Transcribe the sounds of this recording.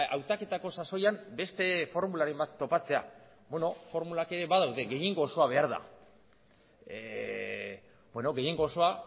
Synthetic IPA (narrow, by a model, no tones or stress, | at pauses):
awt̪ake̞t̪ako̞saso̞jambe̞st̪e̞fo̞ɾmulaɾe̞mbat̪ːo̞pat͡se̞a̰ | bweno̞fo̞ɾmulake̞ɾe̞βaðawðe̞ɡe̞jiŋɡo̞ːso̞aβ̞e̞aɾða̰ | bwe̞no̞ɣe̞jiŋɡoːso̞a